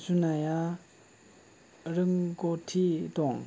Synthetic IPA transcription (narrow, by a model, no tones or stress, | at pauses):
sunaja | rəŋɡotʰit̪oŋ